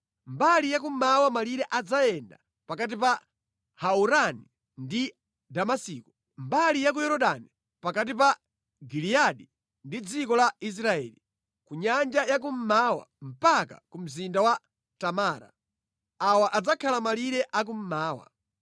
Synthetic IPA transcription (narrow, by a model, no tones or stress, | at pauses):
mbalijak̬um̩mawamaliɾɛʔad͡zajɛnda̰ | pakat̬ipa | hauɾani | ndi | damasiːku | mbalijak̬ujɛɾɔɗani | pakat̬ipa | ɡilijaɗi | ndid͡zikɔlais̬ɾaɛ̰ːli | kuɲand͡ʒajak̬um̩mawa̰m̩paka̰kum̩zindawa | tamaːɾa̰ | awaʔad͡zakʰalamaliɾɛʔak̬um̩maːwa̰